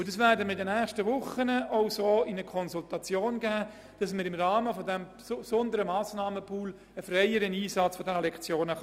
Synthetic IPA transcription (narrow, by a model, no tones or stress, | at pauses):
ʊd̥ɑsʋæːɾdəmɪdɛnɛːχʃtəʋʊχənəʔɔʊsoːɪnəkʰɔnzultɑt͡sjoːnɡæː | d̥ɑs̬məɾɪmrɑːməfɔdɛm | sɔndəɾəmɑːsnɑːməpʰuːl | əfrɛɪəɾəniːsɑt͡sfɔdɛnəlɛkt͡sjoːnə